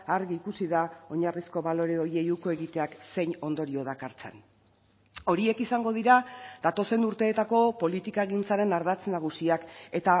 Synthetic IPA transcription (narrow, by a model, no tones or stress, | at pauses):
aɾɣiːkusiðao̞ɲarisko̞βalo̞ɾe̞o̞je̞juko̞e̞ɣit̪e̞akse̞jɲo̞nd̪o̞ɾio̞ðakaɾt͡se̞̰n | o̞ɾie̞kisaŋɡo̞ðiɾad̪at̪o̞se̞nuɾt̪e̞ːt̪ako̞po̞lit̪ikae̞ɣint͡saɾe̞naɾð̞at͡snaɣ̞usiake̞t̪a